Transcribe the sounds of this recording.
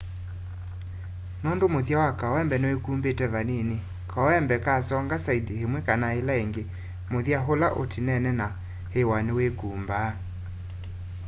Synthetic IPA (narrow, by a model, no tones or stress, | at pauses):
nondomoðjawakaɔɛmbɛnewekuːmbetɛβanene | kʰaɔɛmbɛkasɔŋɡasaidehemwɛkanaelaeŋɡe | moðiaɦolaʔotʰinɛnɛna | hewanewekuːmba